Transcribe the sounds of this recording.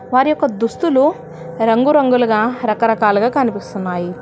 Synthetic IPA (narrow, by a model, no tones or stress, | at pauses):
ʋaːɾijɔkːɐd̪ust̪ulu | ɾɐŋɡuɾɐŋɡulɐɡaːɾɐkɐɾɐkaːluɡaːkɐnipist̪unːaːji